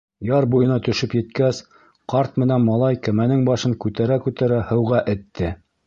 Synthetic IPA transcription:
jɑɾbujɤ̆nɑt̪ɵ̆ʃɵpjɘ̆t̪kæs | qɑɾt̪mɘ̆nænmɑlˠɑjkæmænɘŋbɑʃɤŋkʉt̪æɾækʉt̪æɾæhɤ̆wʁɑʔɘ̆t̪ːɘ

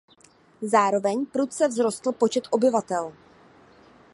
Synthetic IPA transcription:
zaːɾo̞vɛɲpɾut̪̚t͡sɛvzɾo̞st̪l̩po̞t͡ʃɛt̪ʔo̞bɪvat̪ɛl

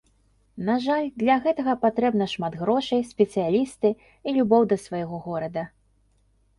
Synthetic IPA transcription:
naʐalʲd̪lʲɐɣɛt̪ɐɣɐpat̪ɾɛbnɐʂmad̪ɣɾɔʂɐjsʲpʲɛt̪sɨjalʲist̪ɨ | ilʲubɔwd̪ɐsvajɛɣɔɣɔɾɐd̪ɐ

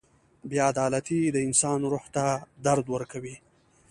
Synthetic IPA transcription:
bjɑad̪ɑlat̪id̪əɪnsɑnɾuht̪ad̪aɾd̪wəɾkawi

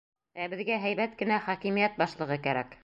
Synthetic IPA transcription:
æbɘ̆ðɡæɦæjbæt̪kɘ̆næχɑkimijæt̪̚bɑʃlˠɤ̆ʁɤkæɾæk

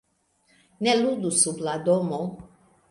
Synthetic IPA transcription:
nɛlud̪usublad̪ɔmɔ

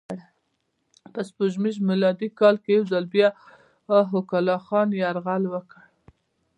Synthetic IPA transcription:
ɽ | pəspuʒmiʒmɪlɑd̪ikɑlkejawzalbjɑ | ɦʊkalɑxɑnjaɾɣalwəkəɽ

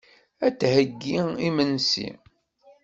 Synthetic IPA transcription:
æt͡sːhəɡːiimənsḭ

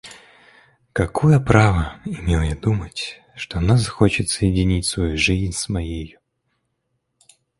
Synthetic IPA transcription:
kɐkʰojəpɾavəɪmʲelˠjad̪umətʲ | ʂt̪onazɐxot͡ɕɪt̪səjɪdʲɪnʲitʲsvɐjuʐɨzʲnʲsmɐjejʊ

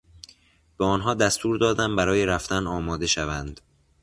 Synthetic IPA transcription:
b̥eɒːnɦɒːd̪æst̪uːɾd̪ɒːd̪æmbæɾɒːjeɾæft̪ænɒːmɒːd̪e̞ʃævænd̪

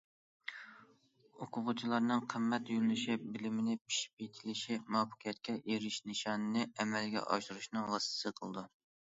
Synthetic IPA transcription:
oqʰʊʁʊt͡ʃʰilˠɑɾnɨŋqʰəmːɛt̪jyɾlɪʃɪbɪlɪmɪnɪpʰi̥ʃi̥p̚et̪ʰɪlɪʃimɑpʰə̥qʰjɛt̪̚kʲʰɛʔeɾɪʃnɨʃɑnɨnɨɛmɛlɡʲɛ̰ʔɑ̰ʃuɾuʃnɨŋwɑst̪ʰsəqʰə̰lˠɨd̪u

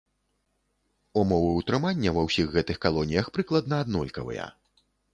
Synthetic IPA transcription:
umɔvɨut̪ɾɨmanʲːɐvɐwsʲiɣɣɛt̪ɨxkalˠɔnʲijɐxpɾɨklˠɐd̪nɐad̪nɔlʲkɐvɨ̰jɐ̰

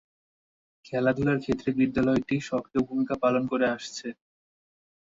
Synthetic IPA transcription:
kʰɛlad̪ʱulaɾkʰet̪ːɾebid̪ːalɔeʈiʃɔkɾeobʱumikapalonkoɾeaʃt͡ɕʰe

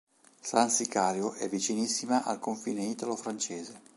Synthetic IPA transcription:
sansikaːɾjoʔɛvːit͡ʃinisːimaʔalkoɱfḭːneiːt̪alofɾant͡ʃeːze

